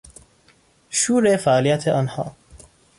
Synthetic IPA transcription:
ʃuːɾefæʔɒːlijæt̪ʰeʔɒːnhɒ̰ː

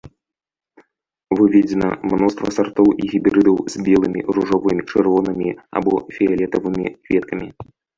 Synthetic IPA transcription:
vɨvʲɛd͡zʲɛnɐ̰mnɔst̪vɐsart̪ɔwʔiɣʲibʲɾɨd̪ɐwzʲbʲɛlˠɨmʲḭruʐɔvɨmʲit͡ʂɨrvɔnɨmʲia̰bɔ̰fʲɛalʲɛt̪ɐvɨmʲḭkvʲɛt̪kɐmʲi

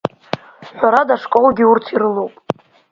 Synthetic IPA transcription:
ħʷᶣaɾadaʂkʼolɡʲiurtʰirɨlowpʼ

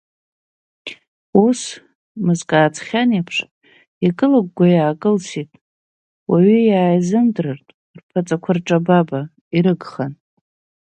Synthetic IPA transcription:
us | mɨzkʼaːt͡sʰʼχʲanepʰʂ | ikʼɨlaɡ̚ʷɡʷajaːkʼɨlsitʼ | waɥyjaːjzɨndrɨrtʼ | rpʰat͡sʼakʷʰarʈ͡ʂʼababa | iɾɨɡχan

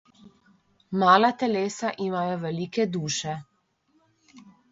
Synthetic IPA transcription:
maːlat̪ɛleːsaʔimaːjɔʋɛliːkɛd̪uːʃɛ

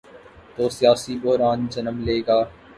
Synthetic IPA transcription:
t̪oːsɪjaːsiːbʊɦɾaːnd͡ʒənəmleːɡaː

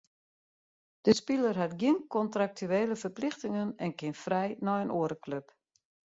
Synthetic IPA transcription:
d̥əspilərɦatɡjiənkɔntrak̚tʰyeːləfərplɪxtɪŋənɛnkɪnfrɛjnɔjənʔoəɾəkløp

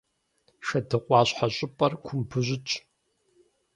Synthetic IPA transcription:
ʃɐdɨqʷʼɑːɕħaɕʼɪpʼɐrkʷʰʊmbʰɨʑʷɪt͡ʃʼ

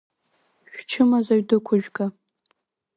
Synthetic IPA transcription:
ʃᶣt͡ʃʰɨmazaɥdɨkʷʰʊʒᶣkʼa

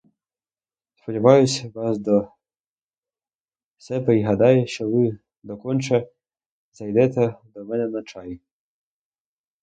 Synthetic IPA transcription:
spɔdʲiʋɑjʊsʲʋɑsd̪ɔ | sɛbɛiɦɐd̪ɑjɛʃt͡ʃɔʋɪ | d̪ɔkɔnʲt͡ʃɛ | zɐjd̪ɛt̪ɛd̪ɔmɛnɛnɐt͡ʃɑji

